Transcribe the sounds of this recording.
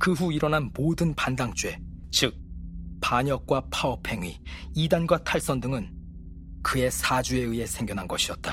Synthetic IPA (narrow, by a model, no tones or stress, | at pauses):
kɯɸuiɾʌnanmodɯnpandaŋt͡ɕ͈ue̞t͡ɕɯk̚paɲʌk̚k͈wapʰaʌpʰe̞ŋɥiidanɡwatʰaɭs͈ʌndɯŋɯn | kɯe̞sʰad͡ʑue̞ɯe̞sʰe̞ŋɡjʌnɦanɡʌɕʰiʌt̚t͈a